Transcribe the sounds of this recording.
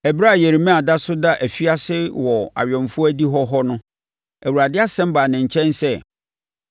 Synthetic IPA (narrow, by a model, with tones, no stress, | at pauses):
ɛ˨bɾa˦˨jɛ˨ɾi˨mɛ̃˦a˨da˦sʊ˦da˦ʔæ˨fi˦a˦sɪ˦wɔ˨a̰˨ɥɛ̃˨mfʊ˦ɔ˦æ˦di˦ɦɔ˦ɦɔ˦nʊ̃˦ | æ˨wu˨ɾa˨dɪ˦a˦sɛ̃˦m˦ba˨nɪ̃˨ɲ̩˨t͡ɕʰɛ̃˦nsɛ˦